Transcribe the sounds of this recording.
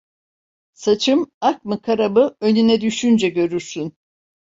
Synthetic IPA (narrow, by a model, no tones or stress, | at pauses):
sat͡ʃʰɯmak̚mɯkʰaɾabɯønynɛd̪yʃynd͡ʒɛɟø̞ɾyɾsyn